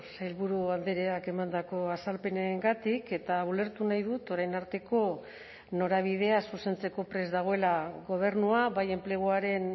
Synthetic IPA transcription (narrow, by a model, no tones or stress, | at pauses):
sajlβuɾuand̪eɾeake̞mand̪ako̞asalpe̞neŋɡat̪ike̞t̪aβule̞ɾt̪unajð̞ut̪o̞ɾajnaɾt̪e̞ko̞ | no̞ɾaβ̞ið̞e̞asuse̞nt͡se̞ko̞pɾe̞zd̪aɣ̞o̞e̞laɣo̞β̞e̞ɾnuaβaje̞mple̞ɣ̞uaɾe̞n